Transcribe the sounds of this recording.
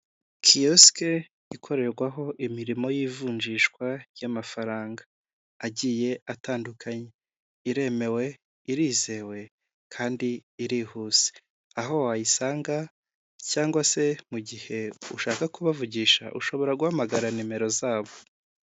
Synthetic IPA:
kʰioske | ikʰo̞ɾe̞ɾɡwaɦo̞ʔimiɾimo̞jiːvuːɲd͡ʒiːʃkwaɾjamafaɾaːŋɡaː | ɟiːje̞ataːndukʰaɲe | iɾe̞me̞we̞ | iɾiːze̞ːwe̞ | kʰaːndiːɾihuːz̥e̥ | aɦo̞ajisaːŋɡa | caːŋɡwase̞muɟihe̞uʃaːkakuβavuɟiːʃa̰ʔṵʃo̞βo̞ɾaɡuhamaɡaɾanime̞ɾo̞zaːβo̞

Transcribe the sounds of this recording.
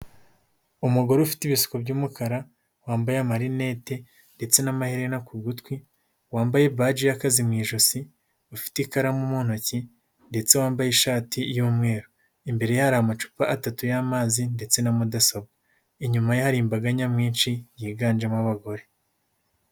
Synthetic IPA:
umuɡo̞ɾeufi̥tiβisu̥kobɟuːmukaɾa | waːmbajamaɾine̞ːte̞ | nde̞t͡se̞namahiɾenakuɡutkwi | waːmbaje̞bβad͡ʒijakazimŋiːʒosi | ufi̥tikaɾamumuːn̥oci | nde̞t͡se̞waːmbajiʃaːtʰijuːmŋe̞ːɾo | imbe̞ɾe̞jahaɾahamat͡ʃu̥paʔatatujaːmaːzinde̞t͡se̞namudasobɡo | iɲumajahaɾiːmbaɡaɲamŋiːnʃijiːɡaːnd͡ʒemwaβaɡo̞ɾe̞

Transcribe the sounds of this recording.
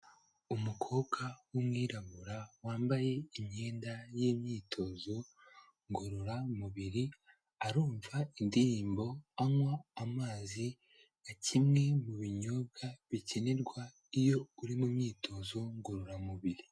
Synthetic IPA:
umukʰo̞ːkʰawumŋiːɾaβuɾawaːmbaje̞imɲe̞ːndajiːmɲiːtʰo̞zo̞ | ŋɡoɾoɾamuβiɾi | aɾuːɱvaindiɾiːmbo̞aŋwaːmaːzi | acimŋe̞muβiɲo̞bɡaβiceneɾɡwa | ijo̞uɾimumɲiːtʰo̞zo̞ŋɡoɾoɾamuβiɾi

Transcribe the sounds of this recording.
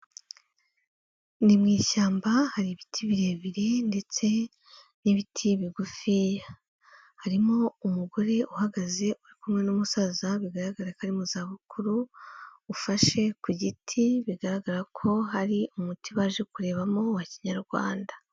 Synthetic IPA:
nimŋiːʃaːmbahaɾiβitʰiβiɾe̞ːβiɾe̞nde̞t͡se̞ | niβitʰiβiɡufija | haɾimo̞umuɡo̞ɾe̞ʔuhaɡaze̞ʔuɾikumŋe̞numusazaβiɡaɾaɡaɾakaɾimuzaːβukuɾuː | faʃe̞kuɟitʰiβiɡaɾaɡaɾakʰo̞ɦaɾiumutiβaːʒe̞kuɾe̞ːβamo̞waciɲaɾɡwa̰ːndḁ

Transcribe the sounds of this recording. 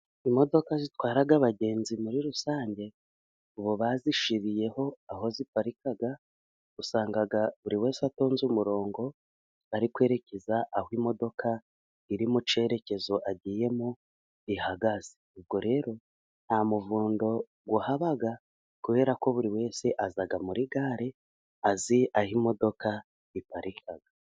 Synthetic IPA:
imo̞do̞kazitwaːɾaɡaβaɟe̞ːnzimuɾiɾusaːɲɟe̞ | uβoβaziʃiɾije̞ho̞aho̞zipaɾikaɡa | ɡusaːŋɡaɡaβuɾiwe̞ːseatoːnzumuɾo̞ːŋɡo̞ | aɾikwe̞ːɾe̞ce̞zaʔahwimo̞do̞kʰa | iɾimut͡ʃe̞ɾe̞ce̞zo̞ʔaɟiːje̞mu | ihaɡaz̥eub̚ɡo̞ɾe̞ːɾo̞ | n̥hamuvuːndo̞ | ɡwuhaβaɡa | kuβe̞ːɾako̞βuɾiwe̞ːse̞ʔazaɡamuɾiɡaːɾe̞ | aziʔahimo̞do̞ka | ipaɾʔikʰaɡ̥a

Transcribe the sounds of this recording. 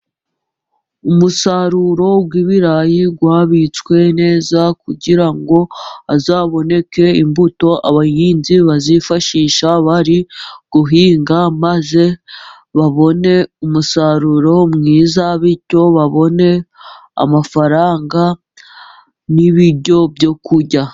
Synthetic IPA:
umusaɾuɾo̞ɡwiβiɾajiɡwaːβit͡skwe̞ne̞ːzakuɟiɾaŋɡo̞azaːβo̞ne̞ke̞imbuto̞ʔaβajiːnziβazifaʃiːʃaβaɾiɡ̥uɦiːŋɡamaze̞ | βaβo̞ne̞umusaɾuɾo̞mŋiːzaβico̞βaβo̞ne̞ | a̰mafaɾaːŋɡa | niβiɾɟo̞bjo̞kuɟa

